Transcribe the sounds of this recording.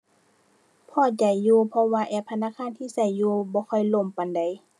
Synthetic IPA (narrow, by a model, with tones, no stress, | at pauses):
pʰɔː˧˩t͡ɕa˨˩jːuː˧pʰɔ˧waː˧ʔɛː˧˩p̪̚ʰa˧naː˧˨kʰaː˧˥˨nt̪ʰiː˧˨sa˧˩jːuː˧bɔː˧˦kʰɔ˧˩˨jlo˧˩˨mpa˨nda˨j